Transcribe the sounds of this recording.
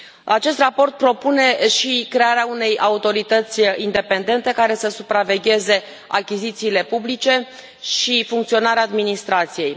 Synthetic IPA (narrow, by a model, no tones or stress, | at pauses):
at͡ʃe̞s̬t̪rapo̞rt̪̚pɾo̞pune̞ʃikɾe̞aɾeaune̞jaut̪o̞ɾit̪ət̪sʲind̪e̞pe̞nd̪e̞nt̪e̞kaɾe̞səsupɾave̞ɡʲe̞ze̞ | akʲizit̪siːle̞publit͡ʃe̞ | ʃifuŋkt̪sio̞naɾeaːd̪minist̪ɾat̪sije̞j